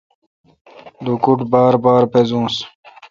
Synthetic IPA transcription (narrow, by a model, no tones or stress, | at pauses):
lukuʈbaːɾbaːɾpezũːs